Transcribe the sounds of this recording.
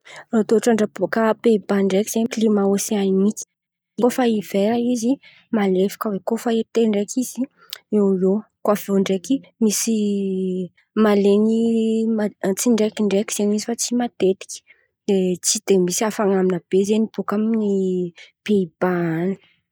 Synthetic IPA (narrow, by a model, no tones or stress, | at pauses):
at̪oaʈ͡ʂaɳɖ͡ʐəb̥ukəpeibaɳɖ͡ʐekiz̥eɲplimaosianimit͡si̥ | kofaiv̥eɾəizi | malefḁkəwekofaet̪eɳɖ͡ʐekʰizi | ewjokwafoɳɖ͡ʐekimisi | malenimat͡siɳɖ͡ʐekiɳɖ͡ʐekiz̥eɲizifat͡simat̪et̪i̥kʲi̥ | et͡sid̪̥emisiafaŋaminəb̥ezenib̥okaminipeib̥ani̥